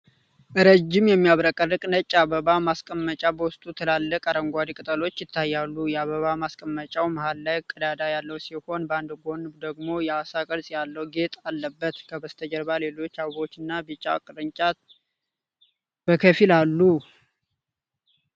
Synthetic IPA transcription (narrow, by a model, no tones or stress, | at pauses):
ʔɨɾəd͡ʒːɪmjɛmːijaβɾakʼərːɨkʼnət͡ʃʼːaβəβamaskʼəmːət͡ʃʼabəwʊst̪ʼut̪ʰəlalːəkʼaɾəŋɡʷad̪ikʼɨt̪ʼəlo̞t͡ʃːjɪt̪ʰːajːalːujɛaβəβamaskʼəmːət͡ʃʼawmahalːajkʼːəd̪ad̪ajalːəwsiho̞nband̪ɨɡo̞nd̪əɡmo̞jɛasakʼəɾsʼjalːəwuɡe̞t̪ʼalːəbːət̪kʰəbəst̪ʰəd͡ʒəɾbale̞lo̞t͡ʃːawɡo̞t͡ʃːɨnːabit͡ʃʼːa̰kʼɨɾɨɲt͡ʃʼat̪ | b̥əkʰəfilalːu